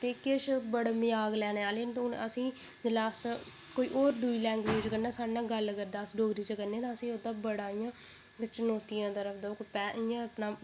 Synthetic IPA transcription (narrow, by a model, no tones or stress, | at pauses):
t̪eːkɪʃbəɽmɪjaːɡlɛːneːaːleːnt̪ːʊnəsĩː | d͡ʒɪlaːs | koːiːʔoːɾd̪uiːlɛ̃ːŋɡʋeːd͡ʒt͡ʃkəɾnãːsaːɽãːɡəlɡəɾd̪aːsɖoːɡɾiːt͡ʃkəɾneãːt̪ãːəsĩːod̪ãːbəɽaːijãː | t͡ʃənoːt̪ijãːt̪əɾəfʰd̪aːkːpɛːjãːəpnaː